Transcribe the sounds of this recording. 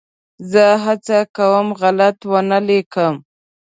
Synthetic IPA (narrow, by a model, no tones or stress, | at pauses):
zəɦat͡sakawəmɣalat̪wənalekəm